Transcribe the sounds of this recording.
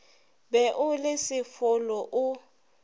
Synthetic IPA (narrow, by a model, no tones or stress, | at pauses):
bɛʔʊlesɪfʊlɔʔʊ